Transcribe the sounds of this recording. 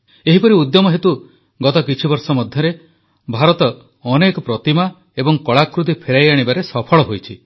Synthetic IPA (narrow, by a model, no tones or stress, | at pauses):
eɦipɔɾiud̪jɔmɔɦet̪u | ɡɔt̪ɔkit͡ʃʰibɔɾsɔmɔd̪ʱjɔɾe | bʱaɾɔt̪ɔ | ɔnekɔpɾɔt̪ima | ebɔŋkɔɭakɾut̪̬ipʰeɾajaɽ̃ibaɾesɔpʰɔɭɔɦojt͡ʃʰi